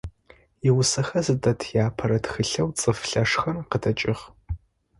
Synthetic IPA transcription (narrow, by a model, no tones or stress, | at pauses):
jɪwʊsɐxɐzɨdɐtʰjaːpʰɐɾɐtxɨɬɐwt͡sʼɨfɬɐʂxɐrqədʰɐt͡ʃʼɪʁ